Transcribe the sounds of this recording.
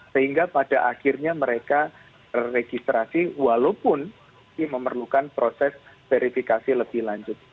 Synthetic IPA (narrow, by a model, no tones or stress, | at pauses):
səhiŋɡapad̥aʔaxirɲaməɾeka | b̥ərːeɡ̥ist̪ɾasiwalopʊn | k̪iməmərlukanpɾosɛsv̥eɾifikasiləb̥ɪhlaɲd͡ʒʊt̪̚